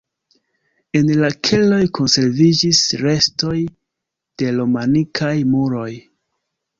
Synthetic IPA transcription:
e̞nlakʰe̞lo̞jkʰo̞nse̞ɾvid͡ʒisɾe̞sto̞j | d̥e̞lomanikʰajmuɾo̞j

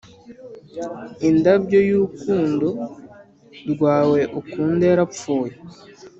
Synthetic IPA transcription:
indabɟojuːkuːndo | ɾɡwaːwe̞ʔukuːndeɾap͡foːje

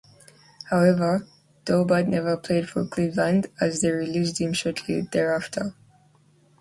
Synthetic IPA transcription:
haʊɛvə˞ | d̥oʊbadⁿnɛvə˞pʰl̥eɪd̥fə̰˞kʰl̥ɪvlãndɨzðeɪɹilisd̚hɪ̃mʃɔɹtʰlḭðɛɹaftʰə˞

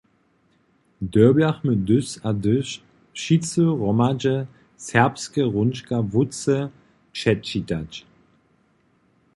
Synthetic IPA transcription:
døɐbaχmɪdʏsadʏʃ | ʃit͡suʁɔmad͡ʒə | sɛɐpskəʁʊnʃkavʊt͡sə | ʃɛtt͡ʃitat͡ʃ

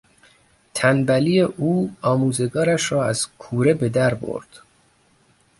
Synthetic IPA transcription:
t̪ʰænbælijeʔuːɒːmuːze̞ɡɒːɾæʃɾɒːæz̥kʰuːɾe̞be̞d̪æɾbo̰ɾd̪̥

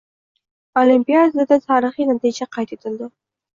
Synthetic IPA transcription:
olimpijad̪ad̪ad̪at̪ʰɑɾɨχinat̪id͡ʒaqʰɑjt̪et̪ʰɪld̪ɪ

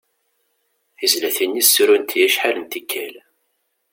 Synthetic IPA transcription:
θizlæθinːisːɾunt̪jæʃħalənt̪ikʰːæl

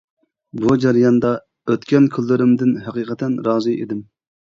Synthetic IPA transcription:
bud͡ʒæɾijɑnd̪ɑ | øt̪kʲɛnkʲʰylːɪɾɪmd̪ɪnɦɛqiːqʰət̪ɛnɾɑːzɨʔḛd̪ɪm

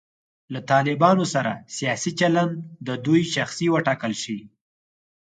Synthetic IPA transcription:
lat̪ɑlɪbɑnosaɾa̰sijɑsit͡ʃaland̪d̪əd̪ujʃaxsiwəʈɑkəlʃi

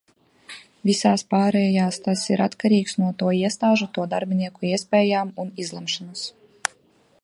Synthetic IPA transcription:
vʲisaːspaːɾɛːjaːst̪asiɾat̪kaɾiːksnuɔt̪uɔiɛst̪aːʒut̪uɔd̪aɾbʲiniɛkuiɛspʲɛːjaːmunizlˠɛmʃanus

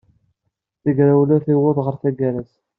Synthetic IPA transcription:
θəɡɾawlæθiwʊðˤʁəɾθæɡæɾæs

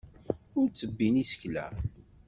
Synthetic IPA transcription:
ʊɾt͡sːəbːinisə̥çlæ̰

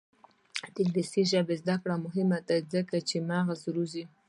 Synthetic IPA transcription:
t̪ɪllisiʒəbezd̪akɽamʊɦɪmad̪azəkat͡ʃemɑɣazɾuzi

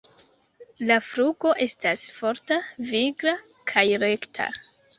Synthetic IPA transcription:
lafɾuɡo̞ʔe̞stasfo̞ɾtaviɡɾa | kʰajɾe̞ktʰa̰

